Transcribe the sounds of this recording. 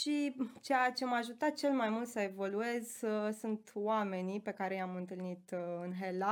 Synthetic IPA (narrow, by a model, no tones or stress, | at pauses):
ʃit͡ʃejat͡ʃemaʒut̪at̪̚t͡ʃe̞lmajmult̪səe̞vo̞lue̞zsunt̪wame̞nipe̞kaɾe̞jamɨnt̪ɨlnit̪ɨnɦela